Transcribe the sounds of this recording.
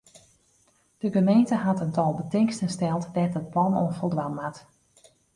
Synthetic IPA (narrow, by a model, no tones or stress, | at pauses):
d̥əɡəmejntəɦatəntɔlˠbətɪŋkstənstɛlˠtdɛtət̚plɔno̰nfəlˠdʋamat